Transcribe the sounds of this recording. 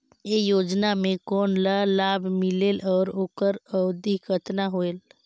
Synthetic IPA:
ejoːd͡ʒnamẽkɔːnlalaːbʱmɪlelɔːɾoːkəɾəʊd̪ikət̪naɦoeːl

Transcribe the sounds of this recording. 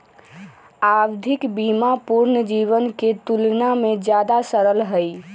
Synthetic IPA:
aːwd̪ʱɪkbiːmapuɾnəd͡ʒiːʋənket̪ulnamẽd͡ʒjaːd̪asəɾəlɦəi

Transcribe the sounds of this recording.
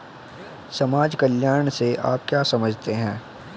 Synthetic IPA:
sɐmaːd͡ʒkəljaːɾəɳ̃seʔaːp̚kjaːsɐməd͡ʒʱt̪eɦɛ̃ː

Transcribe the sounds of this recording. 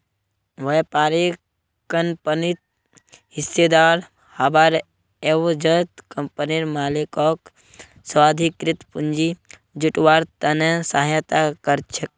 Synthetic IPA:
ʋɐpaːɾi | kɐnpənit̪̚ | ɦised̪aɾ | habaɾ | ewd͡ʒət̪kɐmpəniɾmaːlikɔːk | sʋaːd̪ʱikɾit̪pund͡ʒi | d͡ʒuʈwaːɾt̪ɐnesaɦjət̪akɐɾt͡ʃʰek̚

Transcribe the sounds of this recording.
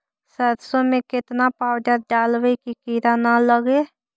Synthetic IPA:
səd̪sõmẽkɪt̪napaːwd͡ʒaɖaːlwəikikiːɾanaləɡe

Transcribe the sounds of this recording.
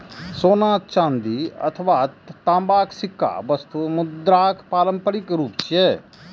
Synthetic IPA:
soːnaːt͡ʃãːnd̪iɐ̰t̪ʰəʋatt̪ãːmbaːksɪkːa̰bəst̪umʊd̪ɾaːkpaːlə̃mpəɾɪkɾuːpt͡ʃjɛː

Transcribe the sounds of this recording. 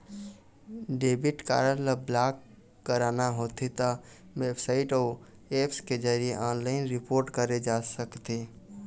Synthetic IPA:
ɖeːbɪʈka̰ːɾənləblaːkː | əɾaːnaɦot̪ʰit̪a | weːbsaɪʈo | eːpsked͡ʒəɾieʔaːnlaːɪnɾɪpoːɾʈkəɾed͡ʒasəkt̪i

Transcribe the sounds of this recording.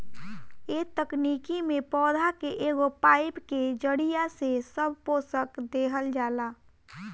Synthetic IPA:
eːt̪əknikimẽpɔːd̪ʱakeʔeːɡopaːɪpked͡ʒəɽijasesəbʱpoːsəkd̪eːɦəld͡ʒaːlaː

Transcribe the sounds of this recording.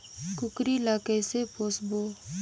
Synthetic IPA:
kʊkɾilaːkəjsepoːsbo

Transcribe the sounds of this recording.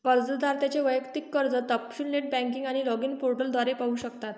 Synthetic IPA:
kəɾd͡zəd̪aɾt̪jat͡ɕeʋəjəkt̪ikːəɾd͡zət̪əpɕunleʈ̚bæ̃ŋkiŋɡaɽ̃ilɔɡinpoɾʈəld̪ʋaɾepaɦuɕəkt̪at̪

